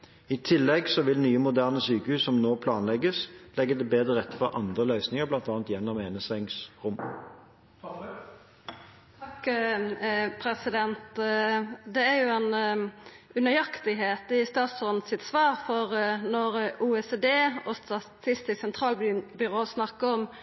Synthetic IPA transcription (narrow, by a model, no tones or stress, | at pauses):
ɪt̪ʰɪlːɛɡsɔʋɪlnyːəmʊd̪æːʁnəsyːkəhʉːsɔmnoːpʰlɑːnlɛɡəslɛɡːəd̪ɛbeːd̪ʁəʁɛt̪ːəfɔʁʔɑnd̪ʁəlœʏsnɪŋəʁblɑnt̪ɑːnt̪jɛnːɔmeːnəsɛŋsʁʊm | k | pʰɾɛsɪd̪ɛnt̪ | d̪ɛæɾjʊɛn | ʉnəjɑkt̪ɪɦeːt̪ɪst̪ɑːt̪sɔnsɪt̪sʋɑːʁfɔʁnɔɾuːɛseːd̪eːɔst̪ɑt̪ʰɪst̪ɪsɛnt̪ʰʁɑːlbbʏʁoːsnɑkːəɔm